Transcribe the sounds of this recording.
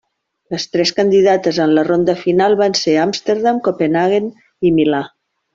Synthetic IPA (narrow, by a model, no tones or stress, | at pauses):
ləst̪ɾɛskənd̪iðat̪əzənlərond̪əfinalˠβanseamst̪eɾðamkopenaɣen | imila